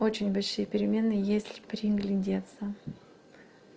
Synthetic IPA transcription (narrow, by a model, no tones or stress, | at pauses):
o̞t͡ɕɪnʲbɐlʲʂɨjəpʲɪɾʲɪmʲe̞nːɨjjesʲlʲɪpɾʲiɪɡlʲɪdʲet̪sə